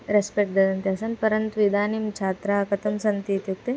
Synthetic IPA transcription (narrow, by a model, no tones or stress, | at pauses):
ɾespek̚ʈd̪ɐd̪ɐnt̪iɐsɐnpɐɾɐnt̪ʋid̪ʱaːnimt͡ʃʰaːt̪ɾaːɐkɐt̪ʰɐmsɐnt̪iːt̪juk̚t̪e